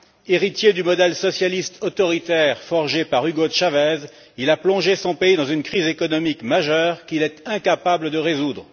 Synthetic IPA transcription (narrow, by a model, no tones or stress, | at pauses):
eʁit̪jed̪ymɔd̪ɛlsɔsjalist̪ʰot̪ɔʁit̪ɛʁfɔʁʒepaʁyɡot̪ʃavɛz | ilaplɔ̃ʒesɔ̃peid̪ɑ̃zynkχizekɔnɔmikmaʒœʁkilɛt̪ɛ̃kapabləd̪əʁezud̪ʁə